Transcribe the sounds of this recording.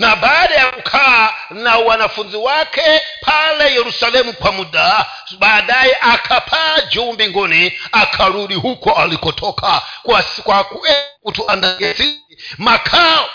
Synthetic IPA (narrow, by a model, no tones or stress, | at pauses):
nabaɗajakukʰa | nawanafunziwakʰɛpʰalɛjɛɾusalɛmukwamuɗa | ɓaɗajɛʔakʰapʰad͡ʒɔmbiŋɡɔniakʰaɾuɗiɦukʰɔʔalikɔtʰɔkʰakwaskwakuʔɛkutʰiʔandaɡɛt͡si | makʰa